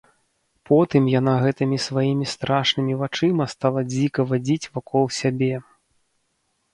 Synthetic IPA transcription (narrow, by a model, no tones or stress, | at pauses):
pɔt̪ɨmjanaɣɛt̪ɨmʲisvajimʲist̪ɾaʂnɨmʲivat͡ʂɨmɐst̪alˠɐd͡zʲikɐvad͡zʲit͡sʲvakʰɔlˠsʲabʲɛ